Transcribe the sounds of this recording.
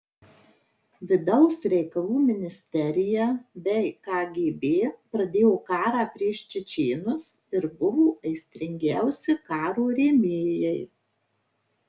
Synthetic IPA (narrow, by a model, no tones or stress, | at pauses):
ʋʲɪd̪ɒʊsɾʲɛɪkɐlˠuːmʲɪnʲɪsʲt̪ʲɛɾʲɪjɛbʲɛɪkɑːɡʲeːbʲeːpɾɐd̪ʲeːjoːkɑːɾɑːpʲɾʲiɛʃʲt͡ʃʲɪt͡ʃʲeːnʊs | ɪɾbʊʋoːʔɐɪsʲt̪ʲɾʲɪŋʲɡʲæˑʊsʲɪkɑːɾoːɾʲeːmʲeːjɛɪ